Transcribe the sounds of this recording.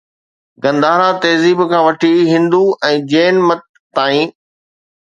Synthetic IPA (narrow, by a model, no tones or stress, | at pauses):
ɡɐ̃nd̪aːɾat̪eːziːbkʰãːʋɐʈʰiɦɪ̃nd̪uʔɛ̃ːd͡ʑeːnmɐt̪̚ːaːĩː